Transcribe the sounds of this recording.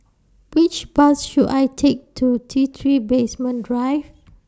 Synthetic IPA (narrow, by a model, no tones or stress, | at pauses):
wit͡ʃbasʃudajtʰek̚tʰutʰit̪ʰɹibesmə̃ndɹajv